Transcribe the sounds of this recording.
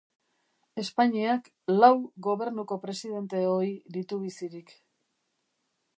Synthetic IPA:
e̞spaɲiak | lawɡo̞β̞e̞ɾnuko̞pɾe̞siðe̞nt̪e̞o̞id̪it̪uβ̞isiɾik

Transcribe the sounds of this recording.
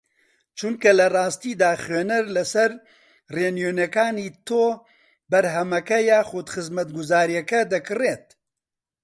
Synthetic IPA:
t͡ʃʊŋkɐlɐrɑːst̪iːd̪aːxweːnɐɾlɐsɛɾ | reːnjoːnɛkaːniːt̪oː | bɐɾɦɛmɐkɐjaːxoːd̪xɨzmɐt̪̚ɡʊzaːɾijɛkɐd̪ɐkɨreːt̪̚

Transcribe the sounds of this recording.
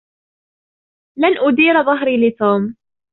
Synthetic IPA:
lanʔʊd̪iːɾðˤɑɦɾiːlɪt̪uːm

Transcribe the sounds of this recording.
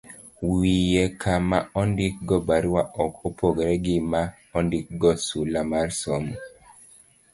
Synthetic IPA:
wijɛkʰamaɔndɪk̚ɡɔbaɾwaʔɔkopoɡeɾɛɡɪma | ɔndɪk̚ɡɔsulamaɾsɔmɔ

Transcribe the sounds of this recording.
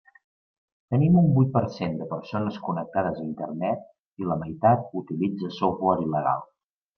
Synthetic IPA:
t̪ənimumbujt̪̚pəɾsend̪əpəɾsonəskunək̚t̪aðəzəint̪ərnɛt̪̚ | iləməjt̪at̪̚ut̪ilid͡zəsowβɔɾiləɣa̰lˠ

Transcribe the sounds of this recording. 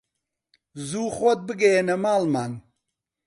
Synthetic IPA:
zuːχot̪̚bɨɡɐjenɐmaːlmaːn

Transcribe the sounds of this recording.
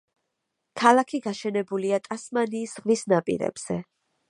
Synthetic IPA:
kʰalˠakʰiɡaʃɛnɛbuliat̪ʼasmaniːsʁvisnapʼḭɾɛ̰b̥z̥ɛ

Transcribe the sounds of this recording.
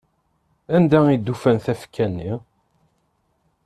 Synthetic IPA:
ænd̪æid̪ːufænθæfkʰːænːi

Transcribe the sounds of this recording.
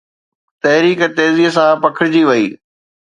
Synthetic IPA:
t̪ɐɦɾiːkɛt̪eːziəsãpɐkʰɪɾɪd͡ʑiːʋɐḭː

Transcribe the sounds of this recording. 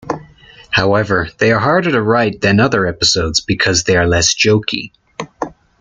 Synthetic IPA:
haʊɛvə˞ðeɪə˞ɦɑɹɾə˞ɾəɹaɪt̪̚ðɨ̃nʌðə˞ɛpəsoʊdzbɨkʰʌzðeɪə˞lɛsd̥ʒ̥oʊkʰḭ

